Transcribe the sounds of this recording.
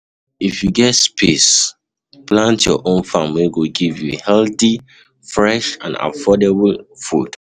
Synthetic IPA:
ifjuɡɛtspʰes | plãntjɔʔõnfamiɡoɡivjṵhɛlθi | fɹɛʃã̰na̰fɔdeblfud̥

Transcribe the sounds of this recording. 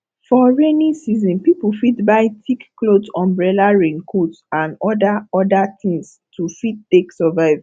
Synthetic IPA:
fɔɹenĩsizɔ̃npipufitbaɪtikklodɔ̃mbɹɛlaɹẽŋkʰot | ãnɔdaɔdat̪ĩŋs | tʰufitteksɔvaɪv

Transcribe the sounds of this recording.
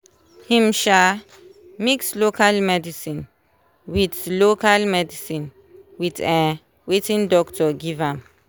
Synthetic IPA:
hĩmʃa | mikslokʰalmɛdisĩn | witlokalmɛdisĩn | witɛ̃ | wetĩndɔktɔɡivãm

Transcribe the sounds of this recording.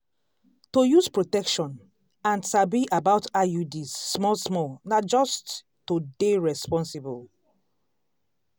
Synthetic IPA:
tojuspɹotɛkʃɔ̃n | ãnsabiʔabaʊtajudisːmɔlsmɔlnad͡ʒɔst | tːodeɹɛspɔ̃nsibɔl

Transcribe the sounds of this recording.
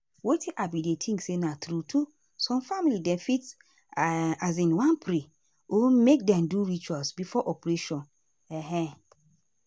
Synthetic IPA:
wetʰiʔabidetʰĩŋksenãtɾutʰu | sɔ̃mfamilidɛ̃nfit | azĩnwãnpʰɾi | omek̚dɛ̃mduɹit͡ʃwasbifɔʔɔpɾeʃɔ̃n | ɛɦɛ̃

